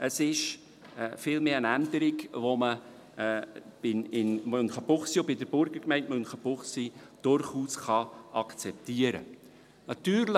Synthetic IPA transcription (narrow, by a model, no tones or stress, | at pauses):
əsɪʃ | fiːlmeːənænd̪əɾɪɡʋomə | b̥ɪnɪnmønχəb̥ʊχsiobɪdəbʊɾɡ̥əɾkmɛɪntmɵnχəb̥ʊχsid̥ʊɾχuːsχɑʔɑkt͡sɛp̚t̪iːəɾə̰ | nɑt̪yːɾl